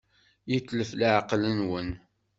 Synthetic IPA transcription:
jətːləflaʕqlənwən

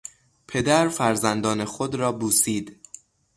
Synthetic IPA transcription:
pʰe̞d̪æɾfæɾzænd̪ɒːne̞xod̪ɾɒːbuːsiːd̪̥

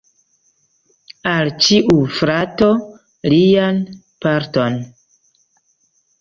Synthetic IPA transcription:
alt͡ʃiʔufɾato | lijan | paɾton

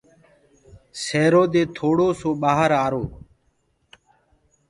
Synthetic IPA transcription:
seːɾoːd̪eːt̪ʰoːɽoːsoːɓaːɦəɾaːɾoː

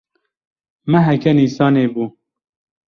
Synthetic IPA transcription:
mɛɦɛkɛniːsɑːneːbuː

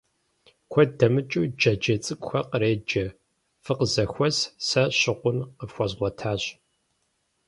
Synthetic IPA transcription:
kʷʰɔdɐmɨt͡ʃʼud͡ʒɐd͡ʒɐt͡sʼɨkʷʼxʷɐqəɾeːd͡ʒɐ | fɨqəzɐxʷɔzsɐɕɪqʷʊnqəfxʷɐzʁʷɔtʰaːɕ

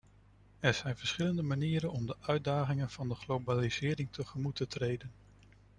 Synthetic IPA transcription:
ɛɹz̥ɛjnvəɹsχɪləndəmaniːɾənɔmdəʔœɥdaːχɪŋənv̥ɑndəχlowbaliz̥ɪːɾɪŋtʰəχəmutətrejdən

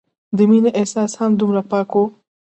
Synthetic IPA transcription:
d̪iminɐʔesaːshamd̪umɾɐpaːko

